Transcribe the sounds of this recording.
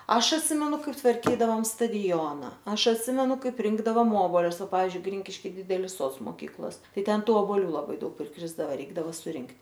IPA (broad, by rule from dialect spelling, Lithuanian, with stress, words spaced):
ˈɐʃ ɐtʲˈsʲɪmʲɛnʊ ˈkɐɪp tʋɐrʲˈkʲiːdɐʋoːm stɐˈdʲoːnɐ ˈɐʃ ɐtʲˈsʲɪmʲɛnʊ ˈkɐɪp ˈrʲɪŋɡdɐʋoːm ˈoːboːlʲʊs ˈpɑːʋʲɪzʲd͡ʒʲʊɪ ˈɡrʲɪŋʲkʲɪʃʲkʲɪ ˈdʲɪdʲɛlʲɪs ˈsoːts moːˈkʲiːklˠoːs ˈtɐɪ ˈtʲɛn ˈtuː oːboːˈlʲuː lˠɐˈbɐɪ ˈdɐʊk pʲrʲɪkrʲɪzdɐʋɐ ˈrʲɛɪɡdɐʋɐ sʊˈrʲɪŋktʲ